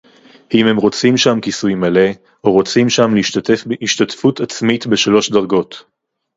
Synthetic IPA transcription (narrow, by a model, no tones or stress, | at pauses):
imhe̞mʁo̞t͡simʃamkisujmale̞ | oʁo̞t͡simʃamleiʃttefbiʃtatfutat͡smitbe̞ʃalo̞ʃdɐʁɡo̞t